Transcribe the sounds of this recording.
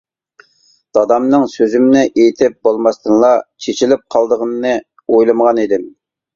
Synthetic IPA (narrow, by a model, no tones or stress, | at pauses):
d̪̥ɑd̪ɑmnɨŋsøzymnɪʔejt̪ʰɪp̚bolˠmɑst̪ɨnlˠɑt͡ʃʰet͡ʃʰilɪp̚qʰɑlˠd̪əʁənnɨ | ojlˠɨmʁɑnid̪ɪm